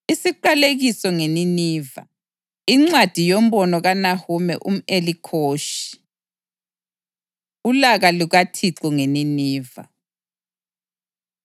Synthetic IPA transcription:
isiǃaleɣisɔŋeniniːva̰ | iŋ͡ǀad̥ʱijom̩bɔnɔɣanahumɛ̰ʔṵm̩elikʰoːʃi̥ | ulaɣaluɣatʰiǃuŋeniniːva̰

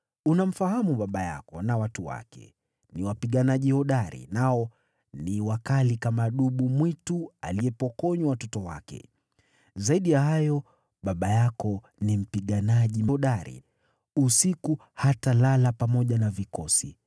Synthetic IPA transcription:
unam̩fahamuɓaɓaja̰kɔnawatuwa̰kɛ̰ | niwapiɠanaʄihɔɗaɾḭnaɔ | niwakalikamaɗuɓumwitua̰liɛpɔkɔɲwawatɔtɔwa̰kɛ̰ | zaiɗijahajɔ | ɓaɓajakɔ | nim̩piɠanaʄimɔɗaɾḭ | usiku | hatalalapamɔʄanavikɔsi

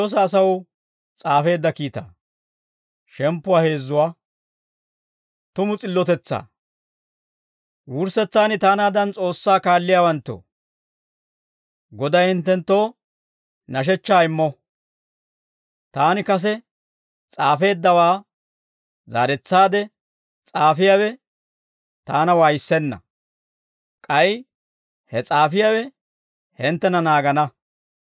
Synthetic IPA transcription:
oːs̬ɐːsɐwʊ | t͡sʼaːfe̞ːd̪ːɐkiːt̪a̰ː | ʃɛmpːʊwaːhe̞ːzːʊwaː | t̪ʊmʊt͡sʼɪlːɔt̪ɛt͡sːa̰ː | wʊɾsɛt͡sːaːnɪt̪aːnaːd̪ɐnt͡sʼo̞ːsːaːkaːlːɪjaːwɐnt̪ːo̰ː | ɡɔd̪ɐjhɪnt̪ːɛnt̪ːo̞ː | nɐʃ̬ɛt͡ʃːaːɪmːɔ | t̪aːnɪkɐs̬ɛ | t͡sʼaːfe̞ːd̪ːɐwaː | za̰ːɾɛt͡sːaːd̪ɛ | t͡sʼaːfɪjaːwɛ | t̪aːnɐwaːjɪsːɛnːɐ̰ | kʼɐj | hɛt͡sʼaːfɪjaːwɛ | hɪnt̪ːɛnɐnaːɡɐnɐ

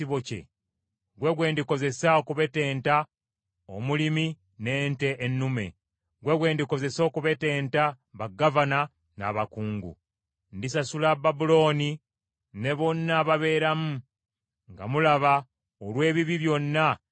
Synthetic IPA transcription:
iβocḛ | ɡwe̞ɡwe̞ːndiko̞ze̞saokuβe̞te̞ːnta | o̰mulimi | ne̞ːnte̞ʔːnːume̞̰ | ɡwe̞ɡwe̞ːndiko̞ze̞so̞ːkuβe̞te̞ːnta | βaɡavana | na̰βakuːŋɡṵ | ndisasulababulo̞ːni | ne̞βo̞nːaːβaβe̞ːɾamu | ŋɡa̰mulaβa | olwe̞ːβiβiβjo̞nːa

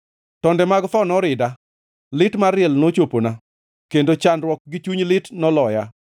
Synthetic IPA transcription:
tɔndɛmaɡt̪ɔnɔɾɪda | lɪtmaɾɪɛlnot͡ʃopona | kendot͡ʃanɾwɔk̚ɡɪt͡ʃuɲlɪtnɔlɔja

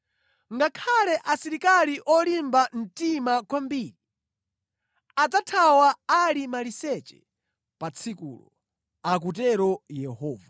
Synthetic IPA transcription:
ŋɡakʰalɛʔasiɾikaliʔɔlimbam̩timakwambiːɾi | ad͡zatʰawaalimalisɛt͡ʃɛ̰ | pat͡sʰikṵːlɔ̰ | ak̬ut̬ɛɾɔjɛhɔːva

